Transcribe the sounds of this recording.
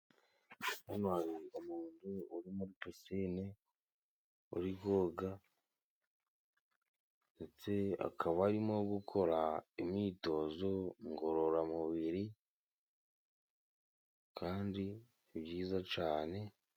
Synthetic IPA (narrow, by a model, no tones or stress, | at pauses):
nanwaːjiumuːnduːɾimuɾipisine | ṵɾiɡoːɡa | net͡se̞a̰kʰaβaɾimo̞ɡukʰo̞ɾaimɲiːto̞zo̞ŋɡo̞ɾo̞ɾamuβiɾi | kʰaːndi | bɟiːzat͡ʃaːne̞